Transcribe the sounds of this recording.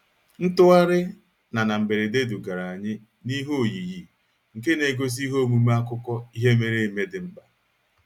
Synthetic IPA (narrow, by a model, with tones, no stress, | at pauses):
n̩˦tʊ˦ɣa˦ɾɪ˦ | na˨na˨m̩˨be˨ɾe˨de˦du˨ɡa˨ɾa˨a˨ɲɪ˦ | ni˦ɦo˦˨ji˨ji˨ | ŋ̩˨ke˦ne˨ɡo˦s̬i˦ɦo˦mu˨m˦a˦kʊ˦kɔ˦i˦ɦe˦me˦ɾe˦˨me˦dɪ˨m̩˦ba˨